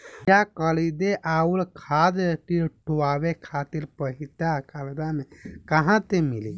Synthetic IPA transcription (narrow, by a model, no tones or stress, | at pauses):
jakəld̪eʔaulkʰad̪ʈiʈuwabekʰat̪iɾpəɦit̪akald̪amekəɦãt̪emili